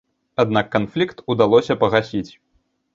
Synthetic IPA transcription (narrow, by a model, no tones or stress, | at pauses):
ad̪nakːanflʲikt̪ud̪alˠɔsʲɐpɐɣasʲit͡sʲ